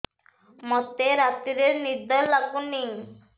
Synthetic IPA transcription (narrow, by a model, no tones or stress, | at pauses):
mɔt̪eɾat̪iɾeɾnid̪ʱɔllaɡuni